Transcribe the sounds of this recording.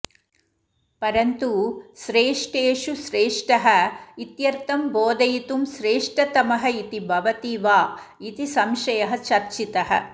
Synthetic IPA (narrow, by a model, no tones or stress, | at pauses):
pɐɾɐnt̪uʃɾeːʂʈeːʃuʃɾeːʂʈɐɦɐit̪jɐɾt̪ɐmboːd̪ɐjit̪umʃɾeːʂʈɐt̪ɐmɐɦɐit̪ibʱɐʋɐt̪iːʋaː | it̪isɐmʃɐjɐɦɐ̆t͡ʃɐɾt͡ʃit̪ɐɦɐ̰